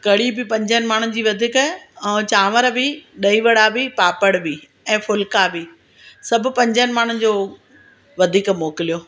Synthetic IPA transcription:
kɐɽibɪpɐ̃ɲd͡ʑənɪ̆maːɳ̤̃ənɪ̆d͡ʑiːʋɐd̪ʱiːkɛ̃ːt͡ɕaːʋəɾbɪɗɐiːʋɐɽabɪpaːpəɽbɪ | ɛ̃ːfʊlkabɪ | sɐbʱʊ̆pɐ̃ɲd͡ʑənɪ̆maːɳ̤̃ənɪ̆d͡ʑoː | ʋɐd̪ʱiːkmoːkɪlijoː

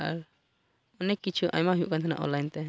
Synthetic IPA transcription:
a̰ɾ | ɔnɛkit͡ʃʰuʔa̰jmaɦjuʔkant̪ʰana̰ʔɔ̰lajnt̪ɛ

